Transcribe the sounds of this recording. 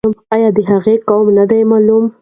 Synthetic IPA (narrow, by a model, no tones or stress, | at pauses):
ʊmajɑd̪əɦaɣekawmnad̪ajmalum